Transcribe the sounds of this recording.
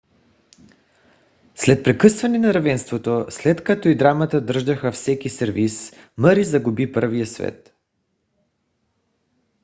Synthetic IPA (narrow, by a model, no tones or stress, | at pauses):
slɛt̪̚pɾɛkɤsvɐnɛnɐɾɐvɛnst̪vot̪oslɛt̪kat̪oid̪ɾamət̪əd̪ɤɾʒd̪əxəfsɛk̟isɛɾvisməɾizɐɡubipɤɾvijəsvɛ̰t̪